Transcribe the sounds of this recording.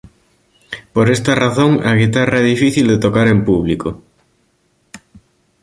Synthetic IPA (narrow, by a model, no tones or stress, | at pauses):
poɾest̪ɐraθoŋɐɣit̪arɐɛðifiθild̪et̪okaɾempuβliko